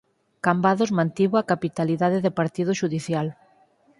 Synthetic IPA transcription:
kambaðʊzmãnt̪iβʊakapit̪aliðaðɪðɪpaɾt̪iðʊʃuðiθjal

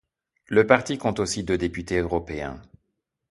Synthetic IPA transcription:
ləpaʁt̪ikɔ̃t̪osid̪ød̪epyt̪eøʁɔpeɛ̰̃

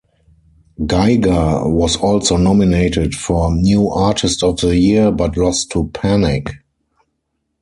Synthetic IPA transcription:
ɡaɪɡawɔzɔlsoʊnɔmineɪtɪtfɔnjuːʔatʰɪstɔfðəjiəbatlɔstʰːupʰænɪk

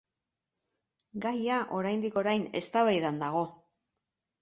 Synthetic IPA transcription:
ɡajaʔo̞ɾajnd̪iko̞ɾajne̞̰st̪aβajðand̪aɣo̞

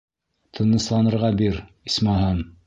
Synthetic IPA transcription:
t̪ʰɤ̆nɤ̆slˠɑnɤ̆ɾʁɑbiɾ | ismɑɦɑm

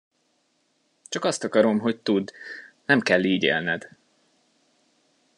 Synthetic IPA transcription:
t͡ʃɒkɒst̪ɒkɒɾo̞mɦo̞c̚t̪ud̪nɛmkɛlːiːɟḛːlnɛd̪̥

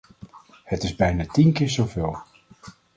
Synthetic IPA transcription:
hətɪzbɛjnaːtinkɪːɹzowveːlˠ

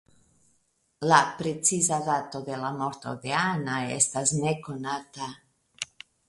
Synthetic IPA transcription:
lapɾet̪sizadat̪od̪elamoɾt̪o̰d̪eanaḛst̪aznekonaːt̪a

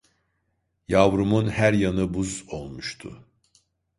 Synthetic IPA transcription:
javɾumunhæɾjanɯbuzo̞lˠmuʃt̪ʰʊ̰

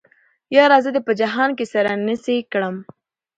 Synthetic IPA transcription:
jɑɾɑzəd̪epəd͡ʒaɦɑnkesaɾanəsikɽəm

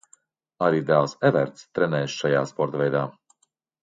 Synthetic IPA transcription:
aɾiːd̪ælˠsɛvɛ̰ɾt̪st̪ɾɛnɛːʃʃajaːspɔɾt̪vɛjd̪aː

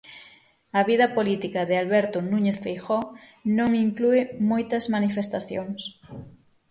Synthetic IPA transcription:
ɐβiðɐpolit̪ikɐðɪalβɛɾt̪onuɲeθfejxɔnõŋiŋkluɪmojt̪ɐzmanifest̪aθjoŋs

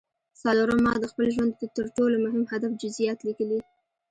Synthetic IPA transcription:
saloɾəmɑd̪əxpəlʒwand̪̚pət̪əɾʈolomʊɦɪmhad̪afd͡ʒʊzijɑt̪likəli

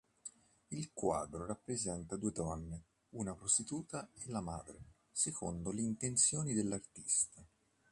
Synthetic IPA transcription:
ilkwaːd̪ɾorapːɾezɛnt̪ad̪uːed̪ɔnːe | unapɾost̪it̪uːt̪aelːama̰ːd̪ɾe | sekʰo̰nd̪oleint̪ent̪sjoːnid̪elːart̪i̥st̪a

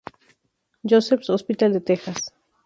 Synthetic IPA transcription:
josefsospit̪ald̪et̪exas

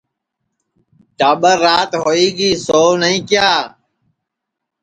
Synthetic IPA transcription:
ʈaːɓəɾːaːt̪ɦoːiːɡiːsoːnəĩːkɪjaː

